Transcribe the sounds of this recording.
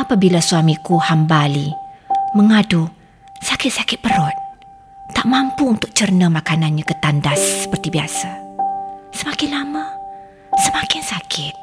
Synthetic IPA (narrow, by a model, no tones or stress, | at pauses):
apabilasuamikuhambaliməŋadu | sakɪt̪̚sakɪt̪̚pəɾɔt̪̚ | t̪aʔmampuunt̪ʊk̚t͡ʃərnəmakananɲãkət̪andasːə̥pərt̪ibiasa | səmakɪnlamə | səmãkɪnsakʰɪt̪̚